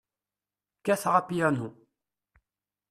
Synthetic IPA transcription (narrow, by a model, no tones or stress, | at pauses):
kæθʁapijænu